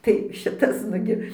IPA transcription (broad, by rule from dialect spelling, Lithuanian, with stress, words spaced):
tɐɪ ˈʃʲɪtɐs ˈnʊɡʲɪ